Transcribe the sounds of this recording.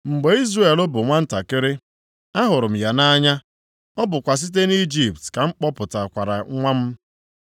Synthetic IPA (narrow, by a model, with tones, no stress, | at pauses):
ŋ͡m̩˨ɡ͡be˨i˦zre˨lʊ˦bʊ˨ŋʷa˦n̩˦ta˨kɪ˦ɾɪ˦ | a˦ɦʊ˨ɾʊ˨m̩˨ja˨na˦ɲa˦ | ɔ˦bʊ˨kʷa˨s̬i˦t̬e˦ni˦d͡ʒi˨p̚tka˨ŋ͡m̩˦k͡pɔ˦pʊ˨ta˨kʷa˨ɾa˨ŋʷa˦m̩˦